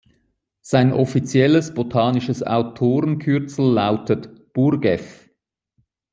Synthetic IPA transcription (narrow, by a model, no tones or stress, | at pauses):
z̥aɪnʔɔfit͡sjɛləsb̥otʰɑːnɪʃəsa̰ʊtʰoːʁənkʰʏʁt͡sl̩ːaʊtʰətb̥uɾɡɛf